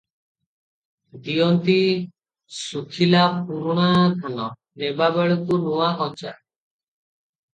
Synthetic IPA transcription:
d̪ijɔnt̪i | sukʰilapuɾuɽ̃akʰanɔ | nebabeɭɔkunuwakʰɔɲt͡ʃa

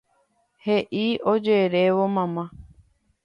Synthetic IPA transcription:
heʔiod͡ʒeɾeʋomãmã

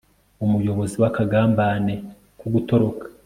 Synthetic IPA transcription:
umujo̞βo̞ziwakaɡaːmbane̞ | kuɡuto̞ɾo̞kḁ

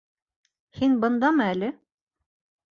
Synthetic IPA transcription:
hinbɤ̆nd̪ɑmælɘ

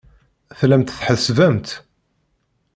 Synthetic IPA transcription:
θlæmt̪θħəsvæmt̪

